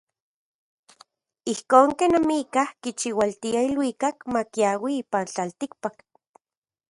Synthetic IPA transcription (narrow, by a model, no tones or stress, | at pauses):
ihkoːŋkenamikahkit͡ʃiwalt̪iailwikakmakjawiiːpant͡ɬalt̪ik̚pak